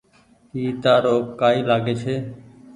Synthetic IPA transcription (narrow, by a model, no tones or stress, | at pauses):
ɦiːt̪aːɾoːkaːiːlaːɡeːt͡ʃʰeː